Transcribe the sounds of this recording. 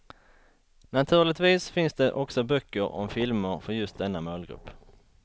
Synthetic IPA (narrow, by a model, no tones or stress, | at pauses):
nat̪ʰʉ̟ːɭɪt̪viːsfɪnsd̪ɛʔɔksɔbœkːəɾɔ̰mfɪlməɾfœɾjɵst̪̚d̪ɛnːamœːlɡɾɵ̰pː